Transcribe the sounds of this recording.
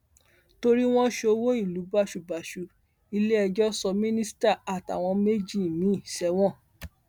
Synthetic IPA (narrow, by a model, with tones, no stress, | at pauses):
to˧ɾi˦w̃ɔ̃˦ʃe˧o˧wo˦i˦˨lu˨˦ba˦˨ʃu˨ba˨ʃu˨ | i˧le˦ɛ˧d͡ʒɔ˦sɔ˧mĩ˦nĩ˦sta˦˨a˨ta̰˨w̃ɔ̃˧me˦d͡ʒi˦˨mĩ˨˦i˦˨ʃɛ˧˦w̃ɔ̃˦˨